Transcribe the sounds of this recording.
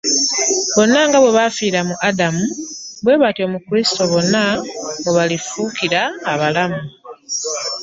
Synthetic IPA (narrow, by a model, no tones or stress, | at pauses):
βo̞nːaŋɡaβwe̞βafiːɾamuʔadamuβwe̞ːβatio̞mukuɾisi̥to̞βo̞nːaɡoβalifukiɾaːβalamu